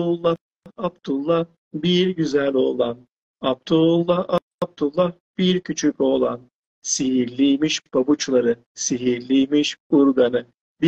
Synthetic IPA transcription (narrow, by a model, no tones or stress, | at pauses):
lˠːa | abd̪ulˠːa | biɾɟyzælʲo̞ːlˠan | ab̚t̪ʰulˠːaa | b̚d̪ulˠːa | b̥iɾcʰyt͡ʃʰyco̞ːlˠa̰n | siɦiɾlʲijmiʃbabut͡ʃlˠaɾɯ | siɦiɾlʲijmiʃuɾɡanɯ | bi